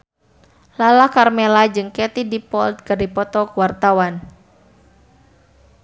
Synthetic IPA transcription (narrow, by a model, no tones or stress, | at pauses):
lalahkarmelad͡ʒɨŋkɛt̪idipɔld̪̚kɨrdipɔt̪ɔkwart̪awan